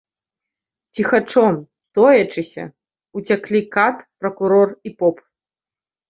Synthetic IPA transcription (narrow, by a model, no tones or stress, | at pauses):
t͡sʲixat͡ʂɔm | t̪ɔjɐt͡ʂɨsʲɐ̰ | ut͡sʲaklʲikat̪pɾɐkuɾɔripɔp